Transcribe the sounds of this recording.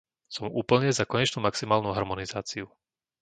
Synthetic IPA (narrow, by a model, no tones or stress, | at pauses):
sɔmṵːpl̩ɲɛzakɔɲɛt͡ʃnuːmaksimaːlnuːɦaɾmɔnizaːt͡siu